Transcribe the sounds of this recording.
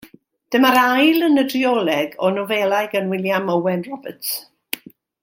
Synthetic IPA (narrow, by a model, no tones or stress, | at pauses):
d̥əmaɾajlˠənədriɔlˠɛɡɔnɔvɛlˠajɡənwɪljaməwɛnrɔbət